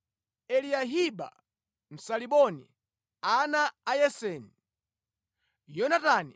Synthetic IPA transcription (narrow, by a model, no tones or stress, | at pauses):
ɛliaɦiɓa̰ | m̩saliɓɔnḭ | anaːjɛsɛːni | jɔnatani